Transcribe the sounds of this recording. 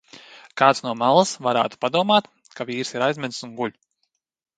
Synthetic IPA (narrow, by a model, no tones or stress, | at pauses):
kaːt̪snuɔmalˠəsvaɾa̰ːt̪u̥pad̪uɔmaːt̪ | kaviːɾsiɾajzmʲɛd̪sunɡulʲ